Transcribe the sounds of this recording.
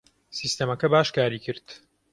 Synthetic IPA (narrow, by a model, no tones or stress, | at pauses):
siːst̪emɐkɐbaːʃkaːɾiːkʰɨɾt̪